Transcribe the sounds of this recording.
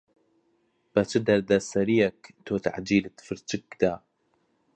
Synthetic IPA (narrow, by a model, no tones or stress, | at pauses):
b̥ɐt͡ʃʰɨd̪ɐɾd̪ɐsɐɾijɛkt̪ʰoːt̪ʰa̰ʕd͡ʒiːlɨt̪fɨɾt͡ʃɨk̚d̪aː